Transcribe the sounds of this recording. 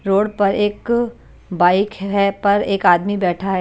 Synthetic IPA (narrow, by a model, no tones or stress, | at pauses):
ɾoːɽpɐɾeːk | baːɪkɦɛpɐɾeːkaːd̪mibɛːʈʰaɦɛ